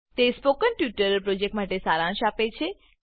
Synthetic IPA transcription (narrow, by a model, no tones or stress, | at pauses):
t̪espokənʈjuʈəɾpɾod͡ʒek̚ʈmaʈesaɾãʃapet͡ʃʰe